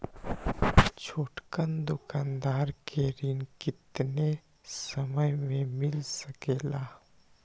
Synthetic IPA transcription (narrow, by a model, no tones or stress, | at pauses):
t͡ʃʰoːʈkənd̪ʊkaːnd̪aːɾkʰeɾɪnkɪt̪ne | səməjmẽmɪlsəkeːlaː